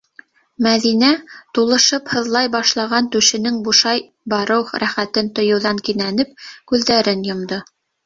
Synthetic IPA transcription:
mæðinæt̪ulˠɤ̆ʃɤphɤ̆ðlˠɑjbɑʃlˠɑʁɑnt̪ʉʃɘ̆nɘŋbuʃɑj | bɑɾɤwχɾæχæt̪ɘnt̪ŏjɤ̆wðɑŋkinænɘp̚kʉðːæɾɘnjŏmd̪o

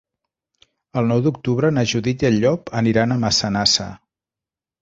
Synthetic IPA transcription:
əlˠnɔwd̪uk̚t̪uβɾənəʒuðitəʎːɔpəniɾanəməsənasə̰

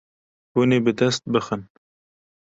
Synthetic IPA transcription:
bunebəd̪ɐst̪̚bəxən

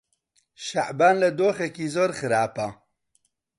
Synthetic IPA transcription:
ʃaʕbaːnlad̪oxakizoɾxəɾaːpa

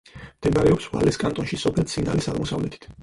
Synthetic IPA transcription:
md̪̥ɛmaɾɛɔpsva̰lɛskʼant̪ʼɔnʃisɔpʰɛlt̪sʰina̰lisad̪mɔsavlɛt̪ʰi̥t̪ʰ

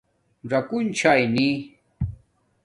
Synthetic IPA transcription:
ɾakʊnt͡ʃʰajni

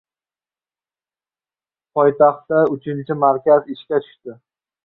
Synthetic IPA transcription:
pʰɒjt̪ʰɑχt̪ːaʊt͡ʃʰɪnt͡ʃʰɪmaɾkʲazɪʃkʲat̪ʰʊ̥ʃt̪ɪ

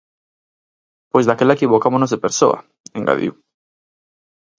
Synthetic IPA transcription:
pojzðakelaekiβokamonozðepeɾso̰ɐ̰ | eŋɡa̰ðḭw

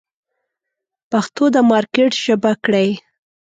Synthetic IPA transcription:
paxt̪od̪əmɑɾkeʈʒ̥əbakɽaj

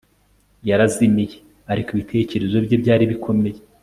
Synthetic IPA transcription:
jaɾazimije | aɾikiβitʰe̞ːce̞ɾe̞zo̞bɟebɟaːɾiβikʰo̞me̞je

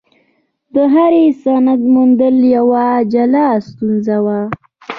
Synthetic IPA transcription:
d̪əɦaɾesanad̪mund̪əljawad͡ʒalɑst̪unzawa

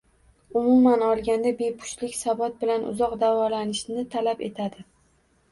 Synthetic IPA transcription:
ʊmʊmanɒlˠɡʲand̪abe̞pʰʊ̥ʃlɪkʲsabɒt̪̚bɪlanʊ̰zɒqd̪avɒlanɪʃnɪt̪ʰalape̞̰t̪ʰad̪ɪ

